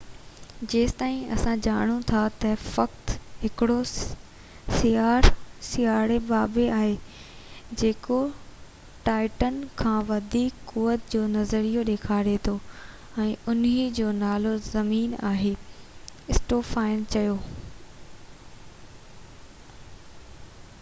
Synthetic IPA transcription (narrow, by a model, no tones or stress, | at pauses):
d͡ʑeːst̪aːĩɐ̰sãd͡ʑaːɽ̃ut̪ʰat̪ɐfɐkt̪ɦɪkɪɽo | sijaːɾsijaːɾebaːbeaːɦe | d͡ʑeːko | ʈaːɪʈənkʰãːʋɐd̪ʱiːkːuːʋət̪d͡ʑoːnɐzəɾijoɗeːkʰaːɾet̪ʰo | ɛ̃ːʊnid͡ʑoːnaːlozɐmiːnaːɦe | ɪsʈoːfaːɪnt͡ɕɐjoː